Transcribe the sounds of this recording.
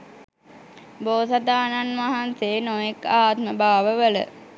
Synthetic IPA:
boːsad̪aːnanʋaɦansenojekaːt̪̚məbaːʋəʋələ̰

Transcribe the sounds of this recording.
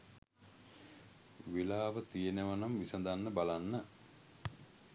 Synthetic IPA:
ʋilaːʋət̪ijeneʋanamʋisɐd̪anːəbalanːə

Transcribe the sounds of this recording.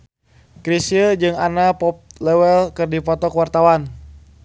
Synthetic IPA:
kɾisiəd͡ʒɨŋanapɔp̚lɛwɛlkɨrdipɔt̪ɔkwart̪awan

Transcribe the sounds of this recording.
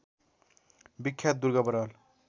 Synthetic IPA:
bikʰːjat̪̚d̪uɾɡabəɾal

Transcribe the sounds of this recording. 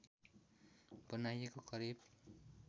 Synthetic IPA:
b̥ʌnajekokʌɾib

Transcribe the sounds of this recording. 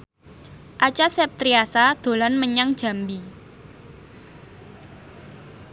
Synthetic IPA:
ʔat͡ʃasɛp̚t̪ɾiasad̪̥o̤lanməɲaŋd̥ʒ̥ä̤mbi

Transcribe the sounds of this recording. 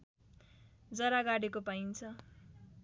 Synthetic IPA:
d͡zʌɾaɡaɽekopajnt͡sʰʌ

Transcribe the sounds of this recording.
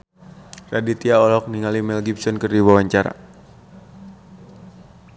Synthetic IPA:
radit̪iaɔlɔk̚niŋalimɛlɡibsɔnkɨrdiwawaɲt͡ʃaɾa̰

